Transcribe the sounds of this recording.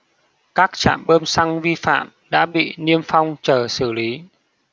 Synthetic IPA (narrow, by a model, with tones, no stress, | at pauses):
kaː˦˥k̚t͡ɕa̰ː˧˨mɓəː˧msa˧ŋvi˧fa̰ː˧˨m | ɗa̰ː˧˥ɓḭ˧˨ni˧əmfa˧wŋ͡mt͡ɕəː˨˩sɨ˧˩li˨˦